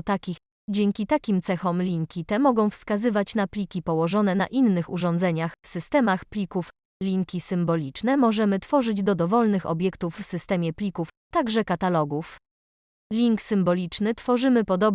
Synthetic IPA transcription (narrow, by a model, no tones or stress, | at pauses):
t̪akʲix | d͡ʑɛŋkʲit̪akʲimt̪sɛxɔmlʲiŋkʲit̪ɛmɔɡɔ̃w̃fskazɘvat͡ɕnaplʲikʲipɔwɔʐɔn̪ɛna̰ʔinːɘxuʐɔnd̪zɛɲaxfsɘst̪ɛmaxplʲikuf | lʲiŋkʲisɘmbɔlʲit͡ʂnɛmɔʐɛmɘt̪fɔʐɘd͡ʑd̪ɔd̪ɔvɔlnɘxɔ̰bʲjɛkt̪ufːsɘst̪ɛmʲjɛplʲikuft̪aɡʐɛkat̪alɔɡuf | lʲiŋksɘmbɔlʲit͡ʂnɘt̪fɔʐɘmɘpɔd̪ɔb